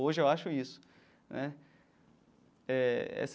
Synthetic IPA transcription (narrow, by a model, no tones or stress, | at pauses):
oʒɪewaʃʊisʊ̥ | nʔɛ | ɛɛ̰s